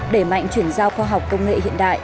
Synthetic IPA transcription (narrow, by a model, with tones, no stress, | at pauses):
ɗe˧˩ma̰˧˨jŋ̟t͡ɕwi˧˩ənzaː˧wxwaː˧ɦa˨˩wk͡p̚kə˧wŋ͡mŋḛ˧˨hḭ˧˨ənɗa̰ː˧˨jʔ